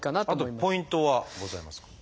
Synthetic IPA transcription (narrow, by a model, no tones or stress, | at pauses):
kanat̪ot̪ːoiimpo̞ĩnt̪oβaɡo̞zaimasɨ̥k